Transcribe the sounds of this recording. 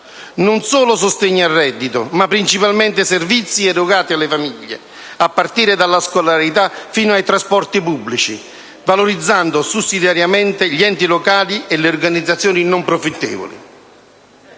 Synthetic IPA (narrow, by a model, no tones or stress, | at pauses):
nʊnsoːlʊs̬ʊst̪eɲːiarːɛd̪ːit̪ʊmapːɾint͡ʃipalmɛnt̪ɪservit̪sːiɛrʊɣaːt̪ialːɪfamiʎːḛ | apːart̪iːɾɪd̪alːaskolaɾit̪afiːnʊajt̪ɾaspɔrt̪ipubːlit͡ʃi | valoɾid̪zːand̪ʊsusːid̪jaɾjamɛnt̪ɪʎiɛnt̪ilokaːlieleorɡanid̪zːat̪sːjoːninʊmpɾofit̪ːɛ̰ːvo̰lḭ